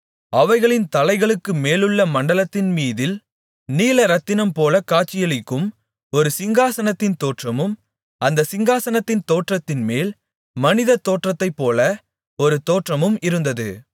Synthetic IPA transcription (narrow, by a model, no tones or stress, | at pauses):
ɐʋɐɪɣɐɭɪnt̪ɐlɐɪɣɐɭɯkːɯmeːlɯɭːɐmɐɳɖɐlɐt̪ːɪnmiːðɪl | niːlɐɾɐt̪ːɪnɐmpoːlɐkaːt͡ʃːɪjɐlɪkːɯm | ɔɾɯsɪŋɡaːsɐnɐt̪ːɪnt̪oːʈrɐmɯm | ʔɐnd̪ɐsɪŋɡaːsɐnɐt̪ːɪnt̪oːʈrɐt̪ːɪnmeːl | mɐnɪðɐt̪ːoːʈrɐt̪ːɐɪpːoːlɐ | ɔɾɯt̪oːʈrɐmɯmɪɾɯnd̪ɐðɯ